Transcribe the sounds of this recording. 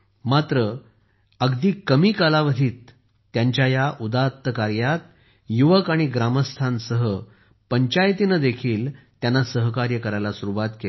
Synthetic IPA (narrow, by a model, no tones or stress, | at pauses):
mat̪ɾə | əɡd̪iːkəmiːkalaʋəd̪ʱiːt̪ː | jaɲt͡ɕjajaʔud̪at̪ːəkaɾjat̪̚ | juʋəkaɽ̃iɡɾaməst̪ʰansəɦə | pəɲt͡ɕajt̪inəd̪ekʰiːlt̪janːasəɦəkaɾjəkəɾajlasuɾuʋat̪ke